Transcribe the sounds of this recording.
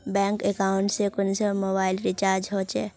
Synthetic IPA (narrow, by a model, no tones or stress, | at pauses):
bɛ̃ːŋkekaːʊ̃ɳʈsekʊnsəmoːbaːɪlɾɪt͡ʃaːɾd͡ʒɦoːt͡ʃɛː